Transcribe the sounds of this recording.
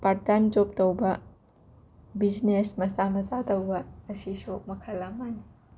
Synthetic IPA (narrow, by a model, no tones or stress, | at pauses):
paʈant͡ʃop̚tɐwba | bid͡ʒnesmɐsamɐsat̪ɐwbaːsisomɐkʰalamani